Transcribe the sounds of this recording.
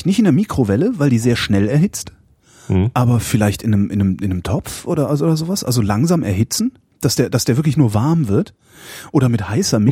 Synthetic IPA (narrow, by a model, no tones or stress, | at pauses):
tnɪçtɪndeːɐmiːkʁ̥ovɛləvaɪldiːzeːɐʃnɛlɛɐhɪt͡st | ʔaːbɐfɪlaɪçtɪnəmʔɪnəmɪnəmtʰɔpp͡fʔoːɾɐzoːdɐzoːvasʔa̰lzolaŋzaːmʔɛ̰ɐɦɪt͡sn̩ | d̥asd̥eːɐd̥asd̥eːvɪɐklɪçnuːɐvaɐmvɪɐt | ʔoːɾɐmɪthaɪsɐmɪ